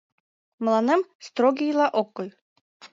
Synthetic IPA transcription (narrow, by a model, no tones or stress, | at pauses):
mlˠɑnemst̪ɾoɡʲijlˠɑʔokːojʲ